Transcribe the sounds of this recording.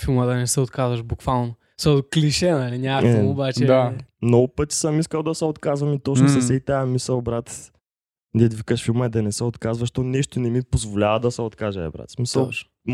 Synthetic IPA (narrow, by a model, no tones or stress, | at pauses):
filˠmɐd̪ɐnɛsɛot̪kazvɐʃbukvalˠnʊ | sɔkliʃɛnɐliɲaɛʊbat͡ʃɛd̪amnɔɡʊpət̪i̥sɐmiskɐlˠd̪ɐsɛot̪kazvɐmit̪ɔt͡ʃnʊsɐʊsɛt̪amisɐlˠbɾat̪ | d̪ɛd̪vikəʃfilˠmɐɛd̪ɐnɛsɛot̪kazvɐʃt̪onɛʃt̪ʊnɛmipozvolʲavɐd̪ɐsɛot̪kaʒɛɛ̰bɾa̰t̪smisəlˠ